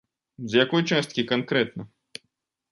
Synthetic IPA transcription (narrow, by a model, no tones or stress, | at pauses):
zjakɔjt͡ʃast̪̚kʲikankɾɛt̪nɐ